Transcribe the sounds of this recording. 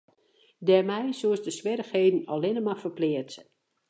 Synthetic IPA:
dɛrmɛjsuəsdəswɪɾəxheːdən̩ɔlɪnəmafərplɪərt

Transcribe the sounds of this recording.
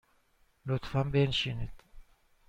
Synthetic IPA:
lut̪fambeːnʃinit̪

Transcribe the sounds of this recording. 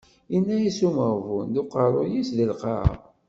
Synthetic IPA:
inːæjisuməvund̪ʊqɑɾˤojisðəlqɑ̰ɾ̰

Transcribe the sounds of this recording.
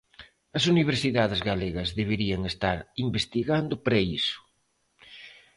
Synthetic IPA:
ɐs̬uniβ̞eɾsiðaðezɣaleɣɐzðeβ̞eɾiɐŋest̪aɾimbest̪iɣand̪ʊpɾɐisʊ̥

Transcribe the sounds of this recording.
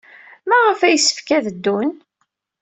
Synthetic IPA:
mæʁəfæjəsːə̥fkæðəd̪ːun

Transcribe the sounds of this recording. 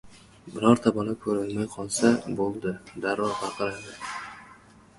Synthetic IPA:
bɪɾɒɾt̪ʰabɒlakʰɵɾɪlmajqʰɒlˠsabolˠd̪ɪd̪aɾvɒqɑqʰɨɾad̪ɪ

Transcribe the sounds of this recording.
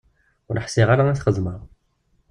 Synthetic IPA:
ʊɾħsɪʁaɾaæθχəzˤməʁ

